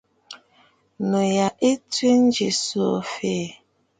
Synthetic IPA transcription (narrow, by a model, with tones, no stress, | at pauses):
no˨ja˨ʔe˦ti˦n̩˦d͡ʒi˨so˨fe˦˨